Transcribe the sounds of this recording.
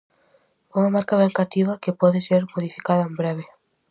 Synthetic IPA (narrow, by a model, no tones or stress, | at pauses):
uŋamaɾkaβɛŋkat̪iβ̞ɐkepɔðɪseɾmoðifikaðɐembɾeβe